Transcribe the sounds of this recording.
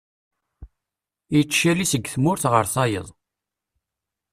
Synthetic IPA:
jit͡ʃːʃælisəɡːθmʊɾθʁəɾθɑjə̰ðˤ

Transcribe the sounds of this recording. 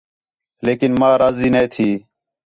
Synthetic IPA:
leːkɪnmaːɾaːziːneːt̪ʰiː

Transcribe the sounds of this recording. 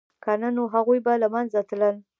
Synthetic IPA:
kananoɦaɣujbalamanzat̪ləl

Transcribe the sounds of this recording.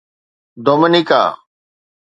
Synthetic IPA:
d̪oːmənika̰ː

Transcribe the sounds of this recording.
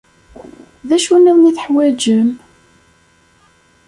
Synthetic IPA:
ðæʃuniðˤniθə̥ħwæd͡ʒəm

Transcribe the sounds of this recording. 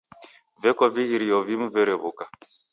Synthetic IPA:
vɛkɔviɣiɾijɔvim̩vɛɾɛβuka

